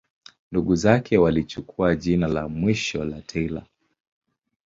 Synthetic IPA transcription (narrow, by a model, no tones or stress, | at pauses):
nduɠuzakʰɛwalit͡ʃukʰuaʄinalamwiʃɔlatʰɛila̰